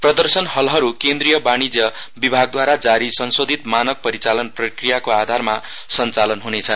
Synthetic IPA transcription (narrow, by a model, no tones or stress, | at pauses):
prʌd̪ʌrsʌnɦʌlɦʌɾukend̪rijʌbañid͡zʌ | bibʱaɡ̚d̪waɾad͡zaɾisʌnsod̪ʱit̪manʌk̚pʌɾit͡salʌnprʌkrijakoad̪ʱarma | sʌnt͡salʌnɦunet͡sʰʌn